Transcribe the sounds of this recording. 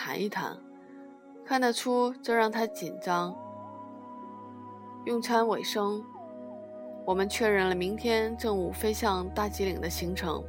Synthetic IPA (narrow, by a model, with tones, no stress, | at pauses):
a̰˧˥ni˥˩t̪ʰa̰˧˥n | kʰa˥˩nd̪ə˨˩ʈ͡ʂʰu˥ʈ͡ʂʊɻɑ˥˩ŋt̪ʰa˥t͡ɕi˨˩nʈ͡ʂɑ˥ŋ | jʊ˥˩ŋt͡sʰwa˥nwe˨˩ɪʂɤ˥ŋ | wɔ˨˩mə˦nt͡ɕʰɥɛ˥˧ɻə˥˩nlə˩mi˧˥ŋt̪ʰjɛ˥nʈ͡ʂɤ˥˧ŋu˥˩fe˥ɪɕjɑ˥˧ŋt̪a˥˩t͡ɕi˧˥lḭ˨˩ŋd̪ə˦ɕi˧˥ŋʈ͡ʂʰɤ̰˧˥ŋ